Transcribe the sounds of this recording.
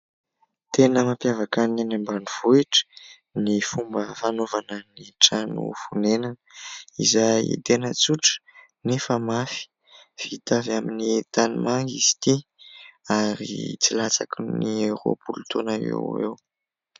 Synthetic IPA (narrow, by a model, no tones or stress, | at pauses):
t̪enəmapjavakananambaniv̥uiʈ͡ʂə̥ | nifumbəfanovanəniʈ͡ʂanṵfunenanəḭzajḭd̪enət͡suʈ͡ʂə̥ | nefəmafi̥ | v̥it̪avaminit̪animaŋɡizi̥t̪i | aɾḭt͡silat͡sakuniewɾo̰pult̪onaḛḛw